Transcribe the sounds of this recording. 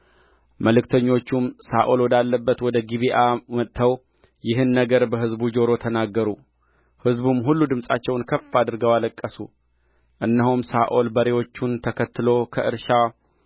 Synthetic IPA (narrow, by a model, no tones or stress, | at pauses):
məlɨkt̪ʰəɲːo̞t͡ʃːumsaʔolwɔd̪alːəbːət̪wɔd̪əɡiβiʔamət̪ʰːəw | jɪɦɨnːəɡəɾbəɦɨzbud͡ʒo̞ɾo̞t̪ʰənaɡːəɾu | hɨzbumɦulːud̪ɨmsʼa̰t͡ʃːɛwnkʰəfːad̪ɨɾɡəwaləkʼːəsṵ | ʔɨnːəɦumsaʔo̞lbəɾewo̞t͡ʃːunt̪ʰəkʰət̪ːɨlo̞kʰəʔɨɾʃa